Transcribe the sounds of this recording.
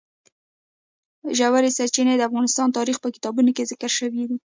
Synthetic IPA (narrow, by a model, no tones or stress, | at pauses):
ʒawaɾesaɾt͡ʃined̪əafɣɑnɪst̪ɑnt̪ɑɾixpəkɪ̥t̪ɑbunokezɪkəɾʃəwid̪i